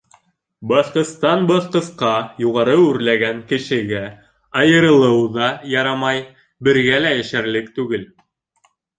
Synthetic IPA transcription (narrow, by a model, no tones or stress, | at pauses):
bɑʃqɤ̆st̪ɑnbɑθqɤ̆sqɑjuʁɑɾɤʉɾlæɡæŋkɘ̆ʃɘ̆ɡæ | ɑjɤ̆ɾɤ̆lˠɤwðɑjɑɾɑmɑj | bɘ̆ɾɡælæjæʃæɾlɘk̚t̪ʉɡɘl